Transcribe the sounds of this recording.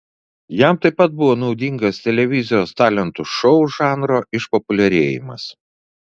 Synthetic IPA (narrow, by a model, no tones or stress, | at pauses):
jæmt̪ɐɪpɐt̪̚bʊʋoːnɒʊd̪ʲiŋɡɐst̪ʲɛlʲɛʋʲɪzʲɪjoːst̪ɑːlʲɛnt̪ʊʃɔʊʒɑːnɾoːʔɪʃpɔpʊlʲɛɾʲeːjɪmɐ̰s